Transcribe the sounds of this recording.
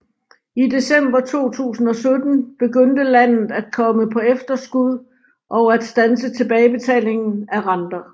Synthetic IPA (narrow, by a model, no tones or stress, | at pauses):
ide̝sem̰b̥ɐt͡sʰo̝̰ːt͡sʰṵːsn̩ɒ̽sød̥n̩b̥e̝ɡ̥øn̰d̥əlæn̰ð̩ˠæd̥̚kʰɒ̽məpʰɒ̽efd̥ɐsɡ̥uð̰ˠ | ʔɒ̽ʊæd̥sd̥ænsət͡sʰe̝b̥ɛːɪb̥e̝t͡sʰɛ̰ːle̝ŋn̩æʁɑ̈nd̥ɐ